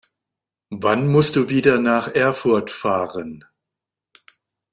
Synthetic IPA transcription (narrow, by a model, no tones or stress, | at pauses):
vanmʊstd̥uːviːdɐnaːχʔɛɐfʊɐtfaːʁən